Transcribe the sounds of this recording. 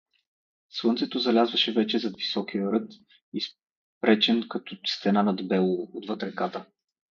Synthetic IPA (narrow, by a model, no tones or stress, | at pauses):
swˠɤnt̪sɛt̪ozɐlʲazvɐʃɛvɛt͡ʃɛzɐd̪visɔkijəɾɤt̪ | is | pɾɛt͡ʃɛnkɐt̪ɔst̪ɛnanɐd̪bɛlˠood̪vɤt̪ɾɛkat̪ə